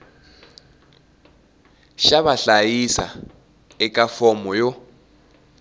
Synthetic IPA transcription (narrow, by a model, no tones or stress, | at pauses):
ʃaβaɬajisa̰ | ɛkʼafɔmɔjo